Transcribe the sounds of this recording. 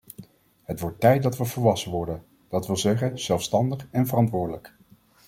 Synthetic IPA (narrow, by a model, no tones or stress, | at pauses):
ɦətʋɔɹtːɛjt̚dɑtʋəvəɹʋɑsənʋɔɹdən | d̥ɑtʋɪlˠzɛχənz̥ɛlˠfstɑndəχɛnvərɑntʋʊːɹdələk